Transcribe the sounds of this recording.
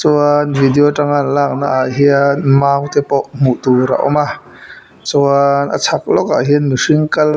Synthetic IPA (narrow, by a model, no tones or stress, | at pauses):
t͡suanvidioʈ͡ʂaŋanlaːk̚na̰ʔaɦianmaːwt̪ɛpɔʔm̥uʔt̪uɾa̰ʔɔ̰ma | t͡sunʔə̰t͡sʰak̚lɔka̰ʔɦinmiʂiŋkɐl